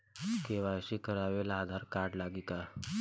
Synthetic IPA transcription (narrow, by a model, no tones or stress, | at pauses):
keʋaɕiːkəɾaʋelaːd̪ʱaɾkaɾɽlaɡiːka